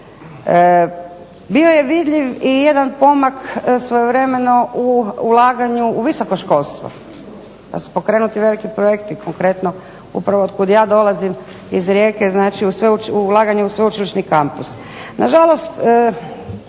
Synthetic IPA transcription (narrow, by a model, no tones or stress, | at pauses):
ə | bio̞je̞ʋid̪ʎiʋijed̪anpo̞maksʋojeʋɾe̞me̞no̞ʔuːlaːɡaɲuːʋiso̞koʃko̞lˠst̪ʋo̰ | pa̰su̥po̞kɾe̞ːnut̪iʋe̞likipɾojekt̪ikʰoŋkɾe̞t̪no | ṵpɾaʋoːd̪̚kud̪jaːd̪o̞lazim | izɾje̞ːke̞znaːt͡ʃiusʋeut͡ʃuːlˠaːɡaɲeusʋeut͡ʃiliʃnikampus | naʒalo̞st̪ə